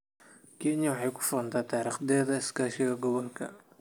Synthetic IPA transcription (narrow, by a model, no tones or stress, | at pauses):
kʰɛnjɐwɑħɑjkʰʊ̥fʊɾɐnt̪ʰaːt̪ʰaːɾiːχd̪ɛːðɐɪskaːʃɪɣɐɡɔβɔlkʰɐ̰